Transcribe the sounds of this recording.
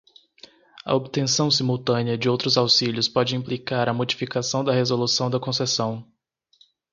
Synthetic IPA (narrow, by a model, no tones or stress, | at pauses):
ɐ̰obt̪ẽsɐ̃w̃simuwt̪ɐ̃niɐd͡ʒɪowt̪ɾʊzawsiʎʊspɔd͡ʒɪĩmplikaɾɐmod͡ʒifikasɐ̃w̃d̪ɐhezolusɐ̃w̃d̪ɐkõsesɐ̃w̃